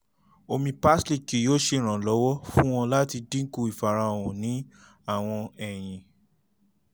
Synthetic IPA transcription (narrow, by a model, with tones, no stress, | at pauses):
o˧mĩ˧pa˦sli˦˨ki˨˦joː˦ʃe˧˨ɾ̃ã˨lɔ˨˦wɔ˦fũ˦w̃ɔ̃˧la˦ti˧dĩ˦ku˧˨i˨fa˨ɾ̃ã˧o˨wɔ̃˨nĩ˨˦ | a˦˨w̃ɔ̃˧ɛ˨j̃ĩ˨